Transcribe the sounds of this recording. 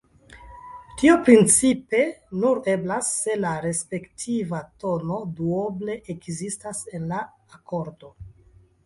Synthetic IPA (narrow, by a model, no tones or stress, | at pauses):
tiopɾint͡sipe̞nuɾe̞blasːe̞laɾe̞spe̞ktʰivato̞no̞duoble̞ʔekzistase̞nlaː | ko̞ɾdo̞